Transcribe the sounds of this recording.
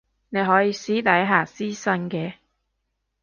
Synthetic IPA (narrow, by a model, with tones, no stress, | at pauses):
ne˨˧jɦɔː˨˥jiː˨˧siː˨˥t̪ɐ˨˥jɦaː˨˩siː˥sɐ˧˥nkɛː˧